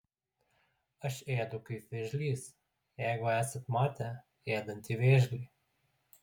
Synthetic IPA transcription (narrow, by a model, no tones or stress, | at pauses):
ɐʃeːd̪ʊkɐɪʋʲeːʒʲlʲiːs | jɛɪɡʊæːsɐt̪mɑːt̪ʲɛ | eːd̪ɐnʲt̪iʋʲeːʒʲɡʲlʲiː